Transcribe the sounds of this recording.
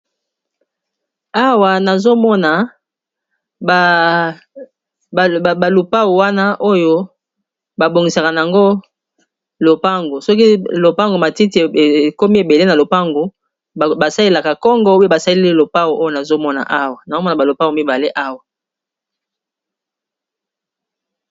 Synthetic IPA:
a˦wa˨na˨zo˦mɔ˦na˨ | a˨lu˨pa˦wu˨wa˦na˦ʔo˦jo˦ | ba˨bo˨ŋɡi˨sa˨ka˨na˨a˨ŋɡo˦ | lo˨pa˦ŋɡo˨sɔ˦ki˦lo˨pa˦ŋɡo˨ma˨ti˦ti˨e˨e˨ko˦mi˦e˨be˨le˦na˨lo˨pa˦ŋɡo˨ | ba˨sa˦le˦la˨ka˨kɔ˦ŋɡɔ˦o˦e˦ba˨sa˦li˦li˦lo˨pa˦wu˨ʔo˦jo˦na˨zo˦mɔ˦na̰˨ʔa˦wa˨na˨zo˦mɔ˦n˨a˨ba˨lo˨pa˦o˨mi˦ba˨le˦ʔa˦wa˨

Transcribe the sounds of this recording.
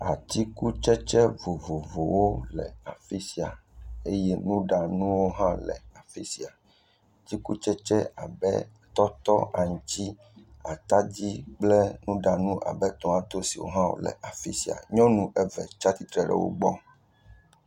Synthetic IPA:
a˨t̪i˦ku˦t͡ʃɛ˦t͡ʃɛ˦vo˨vo˨vo˨wo˦lɛ˨a˨fi˦si˨a˨e˦jɛ˦nũ˦ɖa˨nũ˦wo˦ɦã˦lɛ̰˨a˨fi˦si˨a˨ | d͡ʑi˦ku˦t͡ʃɛ˦t͡ʃɛ˦a̰˨bɛ̰˦ | t̪ɔ˦t̪ɔ˦ʔa˨ŋũ˨t͡ɕi˦ | a˨t̪a˦d͡ʑi˦k͡plɛ˦nũ˦ɖa˨nũ˦ʔa̰˨bɛ˦t̪ɔ̃˨a˨t̪o˦si˨wo̰˦ɦã˦wo̰˨lɛ̰˨ʔa˨fḭ˦si˨a̰˨ɲɔ̃˦nũ˦ʔɛ˦vɛ̰˨t͡ʃa˦t̪i˦t̪ɾɛ˨ɖɛ̰˨wo̰˦ɡ͡bɔ˦m

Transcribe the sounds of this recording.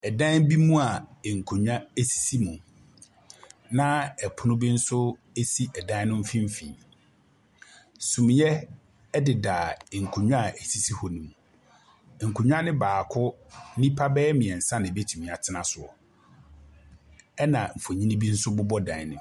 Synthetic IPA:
ɛ˨dã˦bi˦mũ˦a˨ŋ̩˨kʰo˨ɲᶣ˦a˦e˦si̥˨si˦mũ˨ | nã˦ɛ˨pʰʊ˨nʊ̃˦bi˦n̩˦sʊ˦ | e˦si˦ʔɛ˨dã˦nʊ̃˦m̩˦fĩ˦m˦fḭ̃˨ | sũ˨mĩ˨ɲɛ˦ | dɪ˨daː˨ŋ̩˨kʰo˨ɲᶣu˦a˨ʔe˨si˦si˦hɔ˨nĩ˨mũ˨ | ŋ̩˨kʰu˨ɲᶣ˦a˦nɪ̃˦baː˨kʰʊ˦nĩ˦pʰa˦bɛː˦mĩ˨ɛ˨n̩˨sã˦nɪ̃˨bi˦ɛ˦tʰi˨mĩ˨a˨tʰɪ˦nã˨sʊ˨ɔ̰˨ | ɛ˦nã˨m̩˨fo˨ɲĩ˦nĩ˦bi˦n̩˦sʊ˦bʊ˦bɔ˦dã̰˨nɪ̃˨

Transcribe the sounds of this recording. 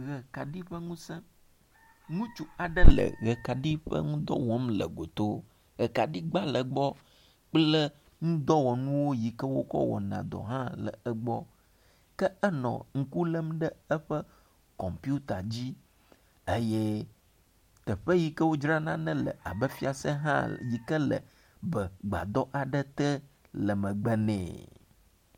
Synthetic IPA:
ɣɛ˨ka˨ɖi˦ɸə˦ŋũ˦sɛ̃˦ | ŋũ˦t͡ʃu˦a˨ɖə˦lə̰˨ɣə˨ka˨ɖi˦ɸə̰˦ŋũ˦d̪ɔ̰˦wɔ˦mlə̰˨ɡo˨t̪o˦ | ɣɛ˨ka˨ɖi˦ɡ͡ba˦lə˨ɡ͡bɔ˦ | k͡plə˦ | ŋũ˦d̪ɔ˦wɔ˨nũ˦wo˦ji˨kə˦wo˦kɔ̰˦wɔ̰˨nã̰˨d̪ɔ̰˨ɦã˦lə̰˨ə˦ɡ͡bɔ˦ | kə˦ə˦nɔ̰̃˨ŋ̩˨ku˦lə˦mɖə˦ə˦ɸə˦ | kɔ˨mpju˦t̪a˨d͡ʑi˦ | e˦jɛ˦ | t̪ə˨ɸə˦ji˦kə˦wo˦d͡ʒɾa˦nã˦nə̃˦lə̰˨a˨bə˦fi˦a˨sə˦ɦã̰˦ji˨kə˦lə̰˨ | bə˨ɡ͡ba̰˨d̪ɔ˦ʔa˨ɖə˦t̪ə˦ | lə˨mə̃˨ɡ͡bə˦nɛ̰̃ː˨

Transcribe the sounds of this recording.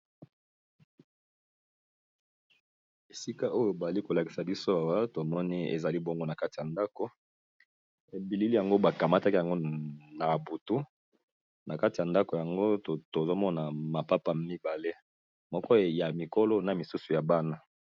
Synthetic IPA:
e˨si˦ka˦ʔo˦jo˦˨ba˨za˨li˦ko˨la˨ki˨sa˨bi˦so˦a˨wa˦to˨mɔ˦ni˦ḛ˨za˨li˦bo˦ŋɡo˦na˨ka˦ti˨ja˨nda˦ko˨ | e˨bi˨li˦li˦ja˨ŋɡo˦ba˨ka˨ma˦ta˦ki˦ja˨ŋɡo˦na˨bu˨tu˦ | na˨ka˦ti˨ja˨nda˦ko˨ja˨ŋɡo˦˨to˨zo˦mɔ˦na˨ma˨pa˦pa˦mi˦ba˨le˦ | mɔ˦kɔ˦˨ja˨mi˨ko˦lo˦na˨mi˨su˦su˨ja˨ba˦na˦

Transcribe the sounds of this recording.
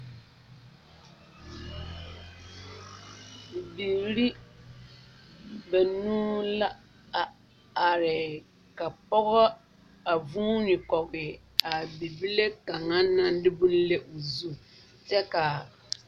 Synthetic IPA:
bi˨ɾi˦ | ba˨nũː˦la˦ | a˨ | a˨ɾɪ˨ | ka˨pɔ˦ɣɔ˦ | a˨vuː˦nɪ˨kɔ˨ɡɪ˨ | a˨bi˨bi˦le˦ka˨ŋa˦nã˦n˦dɪ˦bu˦lle˦ʔo˨zu˦˨ | t͡ʃɛ˦ka˨

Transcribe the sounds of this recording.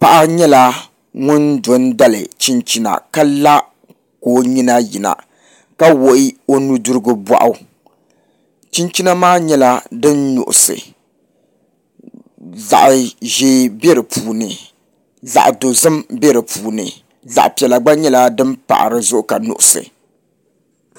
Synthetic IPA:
pa˨ʔa˦ɲɛ˦la˦ | ŋʊ˦ndo˨nda˦lɨ̰˨t͡ʃi˦nt͡ʃi˦na̰˨ka˦la˦ | koː˦˨ɲi˦na˦ji˨na̰˨ | ka˦wo˨ʔi˦o˦nu˦du˦ɾɨ˦ɡɨ˦bwa̰˦ʔʊ˦ | t͡ʃi˦nt͡ʃi˦na˦maː˦ɲɛ˦la˦dɨ˦nːʊ̰˨ʔʊ̰˨sɨ̰˨ | za̰˨ʔʒeː˦be˦ɾɨ˨pʰuː˨nɨ˨ | za̰˨ʔdo˨zɨ˦mbe˦ɾɨ˨pʰuː˨nɨ̰˨ | za̰˨ʔpi˨ɛ˨la˨ɡ͡ba˦ɲɛ˦la˦dɨ˦mpa̰˨ʔɾɨ˨zʊ˦ʔʊ˦ka˨nʊ̰˨ʔʊ˨sɨ̰˨

